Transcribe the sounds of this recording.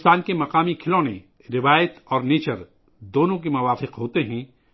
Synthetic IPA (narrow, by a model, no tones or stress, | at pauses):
st̪aːnkemɐqaːmikʰɪlõnḛ̃ | ɾɪʋaːjət̪ɔːɾneːt͡ʃəɾ | d̪oːnõkemɐʋaːfɪqɦoːt̪eɦɛ̃ː